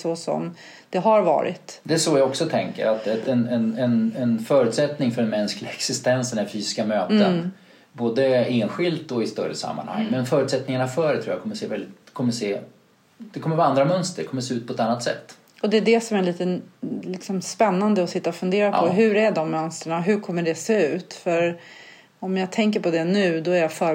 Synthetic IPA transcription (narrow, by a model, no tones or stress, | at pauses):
sɔsɔ̰m | d̪̥ɛɦaɾvɑ̰ːɾɪ̰t̪d̪ɛæʂoːjaɡɔksɔt̪ʰɛŋkə̰ɾat̪ɛnɛnɛnɛnfœːɾʉ̟ːt̪sɛt̪nɪŋfœɖɛnmɛnsklɪɡaɛksɪst̪ɛnsd̪ɛnæɾfyːsɪ̥skamøːt̪ən | boːd̪əeːnɧɪlt̪ɔɪst̪œ̰ɾə̰sa̰mːa̰nha̰ŋːmɛnfœːɾʉ̟ːt̪sɛt̪nɪŋanafœːɾɛt̪ʰɾuːakʰɔmːəʂeːvɛlɪt̪kʰɔmːəseː | d̪̥ɛkʰɔmːəɾvaand̪ɾamœnst̪əɾɖɛkʰɔmːəʂseːʉ̟ːt̪pʰɔɛt̪anːat̪sɛ̰t̪ː | ɔd̪ɛːɖɛsɔmæɭiːt̪ənlɪksɔmspɛnːand̪əɔsɪt̪ːaɔfɵnd̪eːɾapʰɔɦɵ̟ɾæɖɔmːœnst̪ɾəɳaɦɵɾkʰɔmːəɖɛseːʉ̟ːt̪fœɾ | ɔmjaɡt̪ʰɛŋk̬əɾpʰɔd̪ɛnʉ̟ːd̪ɔæɾjafœː